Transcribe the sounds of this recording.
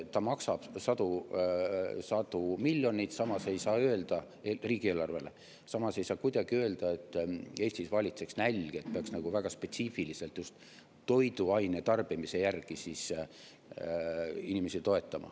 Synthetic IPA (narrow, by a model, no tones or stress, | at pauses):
t̪ɑmɑksɑb̥sɑd̪u | sɑd̪̥umilʲːjo̞nʲit̪sɑmɑse̞jsɑːøe̞ld̪̥ɑ | eriːɡ̥ie̞ːlːɑrve̞̰le̞̰ | sɑmɑse̞jsɑːkujd̪̥ɑɡ̥iø̞e̞ld̪̥ɑe̞t̪ːe̞ːsʲt̪isvɑlʲit̪se̞ksnælʲɡ̥eet̪̚peɑksnɑɡ̥uvæɡ̥ɑspe̞t̪ʲsiːfilise̞lt̪ˑjust̪ | t̪ːo̞jd̪̥uɑjnet̪ɑrb̥imise̞jærɡ̥isis | inime̞sit̪o̞e̞t̪ːˑɑmɑ̰